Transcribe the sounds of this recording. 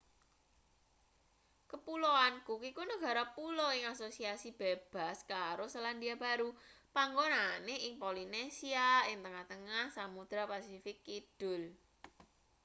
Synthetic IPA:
kəpuloankukikunəɡ̥a̤ɾɔpuloɪŋasosiasib̥eb̥a̤skaɾosəland̪iab̥a̤ɾupaŋɡonaneʔɪŋpolinesiaɪŋt̪əŋaht̪əŋahsamud̪̥ɾapasifɪkːid̪̥ʊl

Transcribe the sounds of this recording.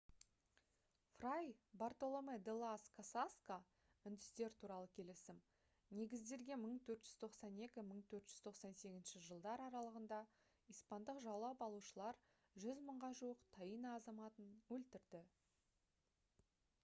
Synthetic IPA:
frajbart̪o̞lˠomed̪elˠaskʰasaska | ʏnd̪ɪst̪e̞ɾt̪ʰuɾɑlˠəkʲʰe̞lɪsɪm | ne̞ɡʲɪzd̪e̞ɾɡʲe̞məɴt̪ʰɵɾt̪ʒ̥ʏz̥t̪ʰo̞qsɑne̞kʲɪməɴt̪ʰɵɾt̪ʒ̥ʏz̥t̪ʰo̞qsɑnse̞ɡʲɪznʃɪʒəlˠd̪ɑɾɑɾɑlˠəʁənd̪ɑ | ijspɑnd̪əqʒɑwˠɑpɑlˠuʃəlˠɑɾ | ʒʏzməɴʁɑʒuwəqt̪ʰɑjinɑːzɑmɑt̪ənwɵlt̪ɪɾd̪ɪ

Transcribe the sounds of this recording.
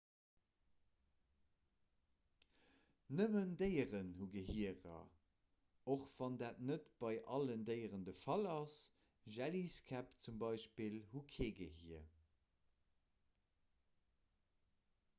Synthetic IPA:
nəməndəɪəʁənhuɡəɦiəʁɐ̰ | oχv̥ɑndaːtnətb̥ɑɪʔɑləndəɪəʁəndəfɑlɑs | ʒæliskʰæpt͡sumbɑɪʃpilhukʰeːɡəhiə

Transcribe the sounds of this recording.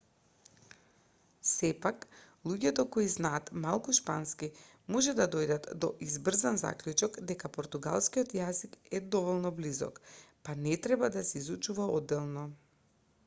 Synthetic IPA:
sɛpak | lˠuɟɛt̪ɔkɔiznaːt̪malˠkuʃpanski | mɔʒɛd̪ad̪ɔjd̪at̪d̪ɔʔizbr̩zanza̰klʲut͡ʃɔkd̪ɛkapɔɾt̪uɡa̰lˠskiɔt̪jazikɛd̪ɔvɔlˠnɔblizɔ̰kpanɛt̪ɾɛbad̪asɛizut͡ʃuvaɔd̪ːɛlˠnɔ

